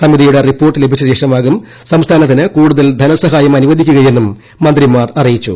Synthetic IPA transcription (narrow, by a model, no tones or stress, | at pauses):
sɐmiðijuɽeripːo̞ːrʈːɨle̞bʱit͡ɕːɐɕe̞ːʂɐmaːɣum | sɐmst̪ʰaːnɐt̪ːinɨkuːɽuðɐld̪ʱɐnɐsɐɦaːjɐmɐnuʋɐd̪ʱikʲːuɣɐje̞nːumː | ɐnd̪rimaːrɐrijit͡ɕːṵ